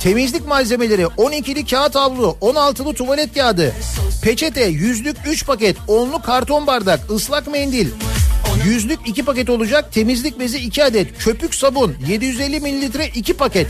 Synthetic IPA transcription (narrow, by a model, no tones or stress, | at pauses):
t̪ʰe̞mizlʲicmalʲze̞me̞lʲe̞ɾiʔo̞nicʰilʲicʲʰaːt̪ʰavlˠuʔo̞nalˠt̪ʰɯlˠɯt̪ʰuvalʲɛt̪jaːd̪ɯpʰe̞t͡ʃʰet̪ʰɛjyzlʲycʲyt͡ʃpʰacɛt̪o̞nlˠukʰaɾt̪ʰo̞nbaɾd̪akɯslˠakmɛnd̪ilʲjyzlʲycicipac̬ɛt̪o̞lˠud͡ʒak̚t̪ʰe̞mizlʲic̚ʲbe̞ziːcʰiad̪ɛt̪t͡ʃʰø̞pycsabunje̞d̪ijyzelʲːimilʲiːit̪̬ɾɛʔicʰipʰacɛt̪